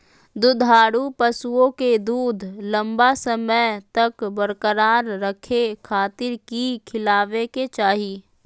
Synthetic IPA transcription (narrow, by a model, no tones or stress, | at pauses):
d̪ʊd̪ʱaːɽupəsuõked̪uːd̪ʱlə̃mbasəmət̪ɐkbəɾkəɾaːɾːəkʰekʰaːt̪ɪɾkikʰɪlaːʋeket͡ʃaːɦi